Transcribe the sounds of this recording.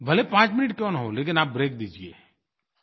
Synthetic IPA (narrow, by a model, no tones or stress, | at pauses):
bʱəlepãːt͡ʃmɪnɪʈkjɔ̃ːnɦoleːk̬ɪnaːp̚bɾeːk̚d̪iːd͡ʒiḛː